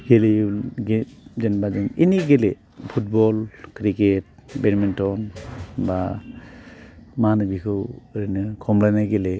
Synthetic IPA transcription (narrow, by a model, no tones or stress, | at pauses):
ɡeliunɡed͡ʒenbad͡ʒɯniniɡele | pʰut̚bɔlkɾiket̚benmentɔnba | manɯbikʰɯwɾinɯkʰɔmlajnajɡele